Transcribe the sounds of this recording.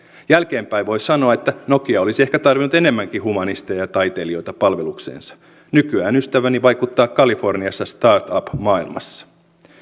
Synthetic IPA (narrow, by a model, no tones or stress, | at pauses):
jælk̟e̞ːmpæiʋo̞jssɑno̞ɑet̪ːæno̞kiɑo̞lisie̞hkæt̪ɑrʋinut̪e̞ne̞mːæŋkihumɑnist̪ejɑt̪ɑjt̪e̞lio̞jt̪ɑpɑlʋe̞luksḛːnsɑ̥ | nykyæːnyst̪æʋæniʋɑjkut̪ːɑːkkɑlifo̞rniɑsːɑst̪ɑːrt̪ɑpmɑːilmɑ̰sːɑ̥